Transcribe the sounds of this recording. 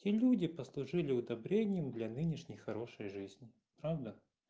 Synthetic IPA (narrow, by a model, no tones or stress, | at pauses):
tʲelʲudʲɪpəslˠʊʐɨlʲɪʊd̪ɐbɾʲenʲɪjəmd̪lʲanɨnʲɪʂnʲɪjxɐɾo̞ʂəjʐɨzʲnʲɪ | pɾavd̪ə